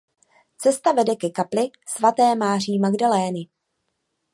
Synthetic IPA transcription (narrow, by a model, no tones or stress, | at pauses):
t͡sɛst̪avɛdɛkɛkaplɪ | svat̪ɛːmaːr̝iːmaɡdalɛːnɪ